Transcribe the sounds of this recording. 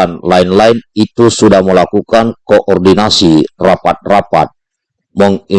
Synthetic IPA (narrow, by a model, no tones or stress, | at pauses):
anlainlainit̪usudahməlakukankoʔɔrdinasirapat̪̚rapa̰t̪̚ | mɔŋi